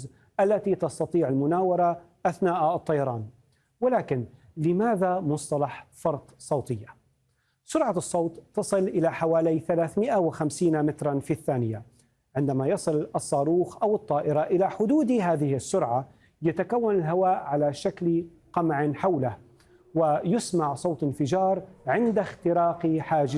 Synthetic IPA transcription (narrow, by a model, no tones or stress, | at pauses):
z | ʔalːat̪it̪ɑst̪ɑt̪ˤiːʕalmʊnaːwɑɾˤɑʔaθnaːʔɑt̪ˤːɑjɑɾˤɑːn | wɪlaːkɪn | lɪmaːðamʊsˤt̪ˤɑlɑħfɑɾˤt̪ˤsˤɑwt̪ˤɪjːa | sʊɾʕasˤːɑwːt̪ˤːɑsˤɨlʔɪlaħawaːlajθalaːθmɪʔawɪxamsiːnamɪt̪ɾˤɑnfiθːaːnɪja | ʕɪnd̪amajɑsˤɨlʔɑsˤːɑːɾuːxʔawɨt̪ˤːɑːʔɪɾɑʔɪlaħʊd̪uːd̪ɦaːðɪhɪsːʊɾʕa | jat̪akawːanɪlɦawaːʔʕalaʃakl | qɑmʕɪnħawlah | wɪjʊsmaʕsˤoːt̪ˤɪnfɪd͡ʒɑːɾˤʕɪnd̪axt̪ɪɾɑːqiħaːd͡ʒɪ